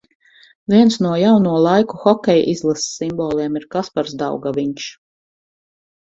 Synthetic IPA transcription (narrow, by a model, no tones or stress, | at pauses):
vʲiɛnsnuɔjawnuɔlˠajkuxɔkʲɛjʔizlˠasːimbɔːlˠɛɛmiɾkaspaɾzd̪a̰wɡaʋiɲʃ